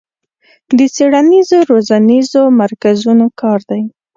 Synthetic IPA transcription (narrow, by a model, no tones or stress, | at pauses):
d̪ət͡seɽanizoɾozanizomaɾkazunokɑɾd̪aj